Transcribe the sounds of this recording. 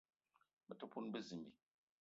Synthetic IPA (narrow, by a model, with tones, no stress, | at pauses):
bə˨to˦pu˦nbə˦zɨ˨mbi˨